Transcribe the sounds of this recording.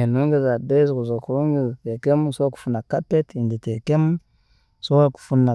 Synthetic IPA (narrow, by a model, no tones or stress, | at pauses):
enuŋɡizadezkuzokuɾuŋɡitekemsoku̥funakapetinditekem | sowaku̥funːa